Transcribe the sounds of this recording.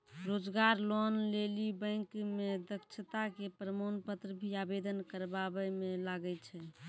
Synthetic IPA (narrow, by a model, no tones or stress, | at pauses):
ɾod͡ʒɡaɾlɔnlelibə̃kmed̪əkt͡ʃʰət̪akepɾəmonpət̪ɾəbʱiabed̪ənkəɾbabɛmelaɡɛt͡ʃʰɛ